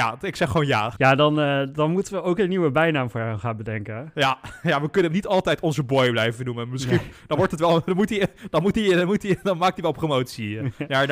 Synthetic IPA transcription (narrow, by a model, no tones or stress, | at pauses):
jaɪksɛχʋownja̰ːjaːdɑndɑnmutənʋəowkənːiwəbɛjnaːmfʊːɹaχaːnbədɛŋkəjajaːʋəkɵnəəmnitɑlˠtɛjtɔnzəbɔjblɛjvənumənmɪskind̥ɑnʋɔɹtɦətʋɛlˠdɔnmutid̥ɑnmutinmutidɑnmaːk̚tiʋɛlˠpromowtsija